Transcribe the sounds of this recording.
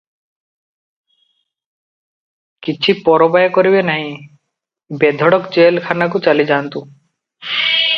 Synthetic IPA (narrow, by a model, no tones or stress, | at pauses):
kit͡ʃʰipɔɾɔbajkɔɾibenaɦĩ | bed̪ʱɔɽɔkd͡ʒelkʰanak̬ut͡ʃalid͡ʒant̪u